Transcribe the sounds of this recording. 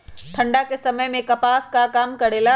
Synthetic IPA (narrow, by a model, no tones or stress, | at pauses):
ʈʰɐ̃ɳɖakesɐməjmẽkɐpaːskakaːmkɐɽeːla